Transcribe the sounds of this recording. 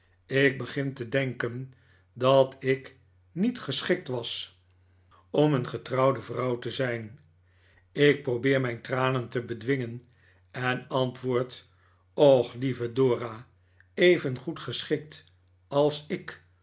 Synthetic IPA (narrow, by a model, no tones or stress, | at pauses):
ɪk̚bəχɪntədɛŋkən | dɑtɪk | nitχəsχɪk̚tʋɑs | ɔmənχətrɑwdəvrɑwtəzɛjn | ɪk̚prowbɪːɹmɛjntraːnəntəbədʋɪŋən | ɛnɑntʋʊːɹt | ɔχlivədoːra | ejvənχutχəsχɪk̚t | ɑlˠsɪk